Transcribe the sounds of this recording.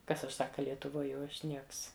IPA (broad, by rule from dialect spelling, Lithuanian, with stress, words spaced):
ˈkɐs ɐʃ ˈsɑːkɐ lʲiɛtʊˈʋoːj jɛʊ ˈɐʃ ˈnʲiɛks